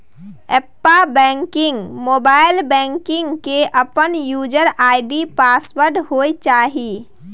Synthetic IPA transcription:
eːpːabɛ̃ŋkɪ̃ŋɡmoːbaːɪlbɛ̃ːŋkɪ̃ŋɡkeʔəpənjuːd͡ʒəɾaːɪɖipaːswəɾɖɦoːet͡ʃaːɦi

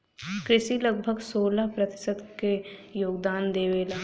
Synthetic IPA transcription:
kɾɪʃiləɡbʱəɡsoːlapɾɐt̪ɪ̥səd̪kejoːɡd̪aːnd̪eːʋeːlaː

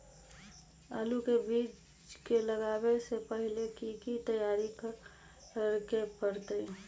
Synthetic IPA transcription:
aːlukebiːt͡ʃ | keləɡaːwesepəɦɪlekikit̪əjaːɾik | əɾkepəɾt̪əi

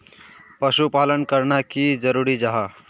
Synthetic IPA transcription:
pəʃupalənkəɾnakid͡ʒəɾuɾid͡ʒaɦa

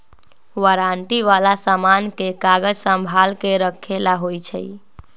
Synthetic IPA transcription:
ʋəɾaɳʈiʋalasamankekaɡəd͡ʒsə̃mbʱalkeɾəkʰːelaɦojt͡ʃʰə̰

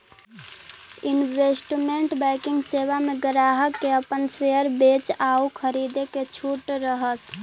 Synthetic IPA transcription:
ɪnwesʈmeɳʈbɛɪkɪŋɡseːwameɡɾaːɦəkːeəpənseəɾbeːt͡ʃaukʰəɾid̪eket͡ʃʰuʈɾəɦəs

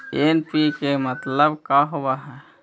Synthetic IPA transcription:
enpikemət̪ləbkaɦowaɦɛ

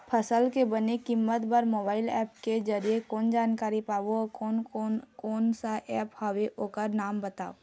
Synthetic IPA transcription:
pʰəsəlkebənekɪmːət̪bəɾmoːbaːɪlɛ̰ːpked͡ʒɐɾijekoːnd͡ʒaːnkaːɾipaːʋoonokoːnsaʔɛːphaʋeʔoːkəɾnaːmbɐt̪a̰ːo

